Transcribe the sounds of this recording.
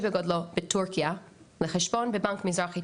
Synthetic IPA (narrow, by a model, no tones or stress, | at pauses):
bɪɡɔdlˠɔbɪtʰuɹkialɪχɛʃbɔnbɪbaŋkmɪzɾɔχi